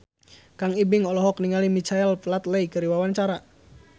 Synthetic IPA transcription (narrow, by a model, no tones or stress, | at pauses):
kaŋibɪŋɔlɔɦɔkniŋalimit͡ʃaɛlplat̪lɛjkəɾiwawant͡ʃaɾa